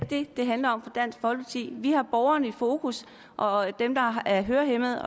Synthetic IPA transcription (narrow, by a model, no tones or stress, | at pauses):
d̥e̝d̥e̝ɦænlɐɒ̽m̰fɒ̽d̥æn̰sɡ̥fɒ̽lpʰɑ̈t͡sʰḭːʋihɑ̈b̥ɒʊɐnəifo̝ːkʰus | ʔɒ̽d̥emd̥ɑ̈æɐɦøːɐɦemð̩ˠɒ